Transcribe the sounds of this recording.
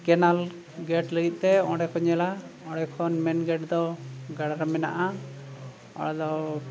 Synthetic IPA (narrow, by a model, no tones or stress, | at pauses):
kɛnal | ɡɛʈləɡit̪̚ˀt̪ɛɔ̃ɽɛkʰɔɲɛlaɔ̃ɽɛkʰɔnmɛnɡɛʈd̪ɔɡaɽaɾamɛna̰ʔa | ɔ̰ɽd̪ɔ